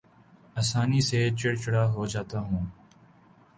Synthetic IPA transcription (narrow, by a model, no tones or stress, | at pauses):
aːsaːniːseːt͡ʃɪɽt͡ʃɽaːɦoːd͡ʒaːt̪aːɦũː